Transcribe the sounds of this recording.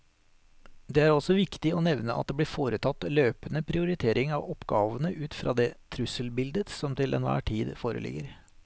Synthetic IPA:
d̪ɛːæːɾɔsɔʋɪkt̪ɪoːnɛʋnəʔɑ̰t̪̚d̪eːblɪːɾfoːɾət̪ʰɑt̪ːløːpənəpʰɾɪʊɾɪt̪ʰeːɾɪŋɑːʋɔpɡɑːʋənəʔʉːt̪fɾʔɑ̰ːd̪eːt̪ʰɾʉsəlbɪld̪ət̪sɔmt̪ʰɪlʔɛ̰nʋæ̰ːʈʰiːd̪foːɾə̰lʔɪ̰ɡəɾ

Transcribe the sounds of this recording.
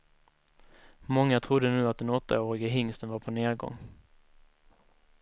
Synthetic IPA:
mɔŋːat̪ʰɾʊd̪ːənʉ̟ːat̪̚d̪ɛnɔt̪ʰːa̰oːɾɪɡaɦɪŋst̪ənvaɾpʰɔneːɾɡɔ̰ŋː

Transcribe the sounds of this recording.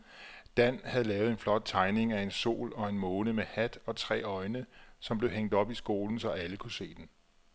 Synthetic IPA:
d̥æn̰hæð̞̩ˠlɛːʊð̩ˠe̝nflɒ̽d̥̚t͡sʰɑ̈ɪne̝ŋæe̝nso̝̰ːlɒ̽e̝nmɔːnəmehæd̥ɒ̽t͡sʰʁɛ̰ːɒ̽ɪnəsɒ̽mb̥le̝ʊɦeŋ̰d̥ɒ̽b̥isɡ̥o̝ːln̩sɒ̽ʔæləkʰuse̝̰ːd̥en

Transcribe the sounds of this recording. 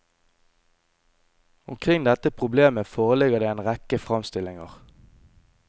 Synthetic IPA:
ʊmkʰʁɪŋd̪ɛt̪əpʰʁʊbleːməfoːʁəlɪɡəʁd̪eːeːnʁɛkəfʁɑmst̪ɪlɪŋəʁ

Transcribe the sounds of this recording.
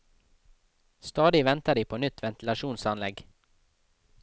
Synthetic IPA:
st̪ɑːd̪ɪʋɛnt̪əɖ̪iːpʰoːnʏt̪ʰʋɛnt̪l̩ɑʃuːnsɑnlɛɡ

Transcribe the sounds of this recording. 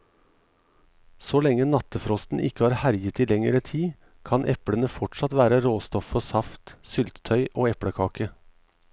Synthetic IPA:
soːlɛŋənɑt̪əfɾɔst̪n̩ʔɪkəhɑːɾhæɾjət̪iːlɛŋəɾət̪ʰiː | kʰɑnʔɛpɽənəfɔʈʃɑt̪ʋæːɾəɾoːst̪ɔfɔsɑft̪sʏlt̪t̪ʰœʏʔoːɛpɽəkʰɑːkə

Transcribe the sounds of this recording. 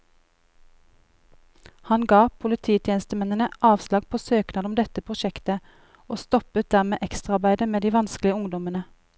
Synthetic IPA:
hɑnɡɑːpʰʊlɪt̪ʰiːt̪ʰjeːnst̪əmɛnənəʔɑːʋslɑːɡpʰoːsøːknɑːd̪ɔmd̪ɛt̪əpʰʁʊʃɛkt̪ə | oːst̪ɔpət̪̚d̪æʁmeːʔɛkst̪ʁəɑʁbæɪd̪əmeːd̪iːʋɑnsklɪəʊŋd̪ɔmənə

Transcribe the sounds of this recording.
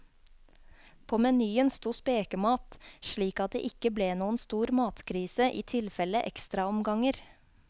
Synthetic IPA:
pʰoːmɛnyːənst̪uːspeːkəmɑːt̪ʃɭiːkɑt̪̚d̪ḛʔɪkəbleːnuːən̩st̪uːɾmɑːt̪kʰɾiːsəʔiːt̪ʰɪlfɛləʔɛ̰kst̪ɾɑɔmɡɑŋəɾ

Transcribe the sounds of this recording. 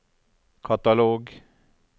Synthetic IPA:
kʰɑt̪ɑloːɡ

